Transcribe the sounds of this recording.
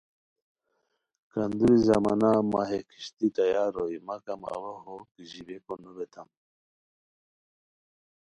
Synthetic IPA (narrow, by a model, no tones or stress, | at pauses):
kand̪uɾizamanamaɦekʰi̥ɕt̪it̪ajaɾoimakama̰waɦokiʑibekonubet̪ʰam